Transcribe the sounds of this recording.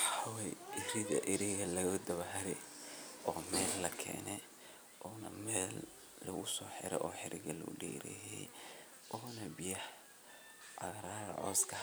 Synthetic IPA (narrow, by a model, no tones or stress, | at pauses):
ħɑwɛjɪɾɪðɐ̰ʔɪɾɛɣɐlɐɣɐd̪ɐβɐhɾɛ | ɔːmɛːlːɐkʰɛ̰ːnɛ | ʔɔːnɐ̰mɛːlː | ɐɣʊsɔːħɪɾɛ̰ʔɔːħɪɾʔɪ̰ɣɐlʊ̰ʊɖiːɾɛ̰jɛ̰ | ʔɔːnɐbɪjɐh | ɐɣɾaːɾɐ̰ʕɔ̰ːskʰɐ